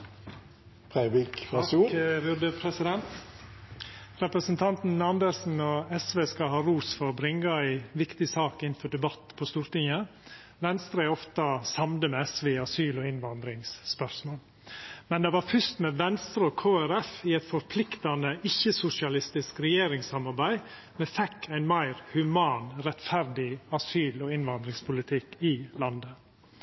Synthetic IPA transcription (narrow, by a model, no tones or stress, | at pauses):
pʰɾæɪbɪkː | ʋʊɾd̪əpʰɾɛsɪd̪ɛnt̪ | ɾɛpɾəsnt̪ʰɑnt̪n̩ɑnd̪əɾsn̩oɛsʋeːskɑlhɑːɾuːsfɔɾɔbɾɪŋːɑæɪʋɪkt̪ɪsɑːkɪnfɔɖɛbɑt̪ːpʰɔst̪uːɾt̪ɪŋə | ʋɛnst̪ɾəæɪɔft̪ɑsɑmd̪əmɛsʋeːɪɑsyːlɔɪnʋɑnd̪ɾɪŋsːpœɾsmoːl | mɛnd̪ɛʋɑɾfʉst̪mɛʋɛnst̪ɾəɔːkʰoːæɾɛfiɛt̪fɔɾpʰlɪkt̪ɑnəʔɪçːəsʊsɪɑlɪst̪ɪskɾɛjeːɾɪŋsɑmɑɾbæɪ | mɛfɛkʰːæɪnmæɪɾhʉmɑːnɾɛt̪fæɾd̪ɪɑsyːloːɪnʋɑnd̪ɾɪŋspʰʊlɪt̪ʰɪkɪlɑnd̪ə